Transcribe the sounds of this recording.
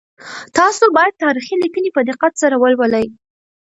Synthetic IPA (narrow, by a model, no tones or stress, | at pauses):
t̪ɑsobɑjad̪̚t̪ɑɾixilikənipəd̪ɪqat̪saɾawəlwaləj